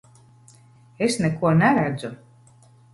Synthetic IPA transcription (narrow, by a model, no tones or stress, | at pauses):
esnɛkuɔnæɾæd̪zu